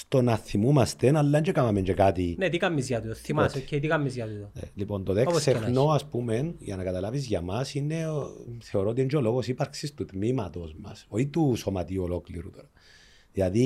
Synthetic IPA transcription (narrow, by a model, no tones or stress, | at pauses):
st̪onaθːimumast̪enalːand͡ʒekamamend͡ʒekat̪inet̪ikamːizjat̪uoθimsket̪ikamːizjat̪ut̪onḛlipont̪oðeksexnoaspumenja̰nakat̪alaβizʝamasineθeoɾot̪iend͡ʒoloɣosipaɾksist̪ut̪mimat̪ozma̰soit̪usomat̪iolokliɾṵt̪eɾo | ðaði